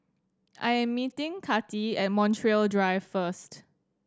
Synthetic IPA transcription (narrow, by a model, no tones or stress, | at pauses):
ʔa̰jɛ̃mːitɪ̃ŋkʰatiɛt̚mɔ̃ntʰɹiəldɹaɪvfəst